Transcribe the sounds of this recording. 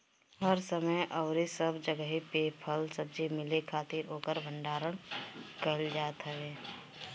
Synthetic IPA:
ɦəɾsəməjʔɔːɾisəbd͡ʒəɡəɦipeːpʰəlsəb̚d͡ʒimɪlekʰaːt̪iːɾoːkəɾbʱə̃ɳɖaːɾəɽ̃kəld͡ʒaːt̪ɦɛɦeː

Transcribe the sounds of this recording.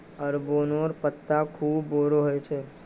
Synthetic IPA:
əɾbonoɾpət̪ːakʰuːbːoɾoɦojt͡ʃʰe

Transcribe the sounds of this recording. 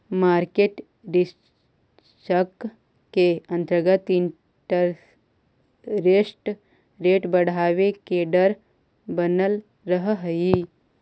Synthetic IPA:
maːɾkeʈ | ɾi | ʃək | keənt̪ɾəɡət̪iɳ | ʈəɾ | ɾesʈ | ɾeʈbəɽ̤aːʋekeɖəɾ | bənəl | ɾəɦəɦəi

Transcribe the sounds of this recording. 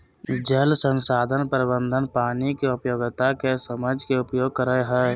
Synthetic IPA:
d͡ʒəlsənsaːd̪ʱənpəɾɪbənd̪ʱənpaːnikeʊpjoɡt̪akesəməd͡ʒʱkeʊpjoːɡ̚kəɾəɦɛ

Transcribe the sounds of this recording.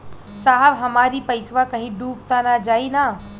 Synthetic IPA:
saːɦəbɦɐmaːɾipɐɪsʋakɐ̃ɦĩɖuːp̚t̪anad͡ʒaːina

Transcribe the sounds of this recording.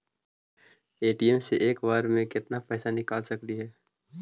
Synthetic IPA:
eːʈiɛmseʔeːkʋaːɾmẽkɪt̪napɛːsanɪkaːlsɐkliɦɛː

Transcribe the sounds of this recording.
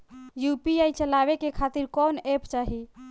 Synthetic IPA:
jupiajt͡ʃəlaβekekʰat̪iɾkɔnept͡ʃaɦi

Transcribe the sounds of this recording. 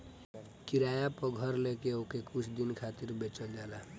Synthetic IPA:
kiɾajapɔɡʱəɾlekeokekut͡ʃʰd̪inkʰat̪iɾbet͡ʃəld͡ʒala

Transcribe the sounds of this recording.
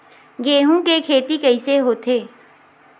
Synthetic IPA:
ɡeːɦũkekʰeːt̪ikəɪseɦoːt̪ʰeː

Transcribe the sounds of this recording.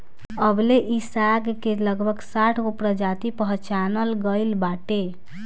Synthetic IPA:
əbleʔisaɡkeləɡbʱəɡsaʈʰopɾəd͡ʒat̪ipəɦt͡ʃanəlɡəɪlbaʈe

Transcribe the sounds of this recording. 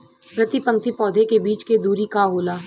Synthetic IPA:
pɾɐt̪ipə̃ŋk̚t̪ipɔːd̪ʱekebiːt͡ʃked̪uːɾikaɦoːlaː

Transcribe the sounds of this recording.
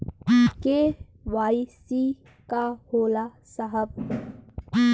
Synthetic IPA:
ke | ʋaːisi | kahoːla | səɦəb̚

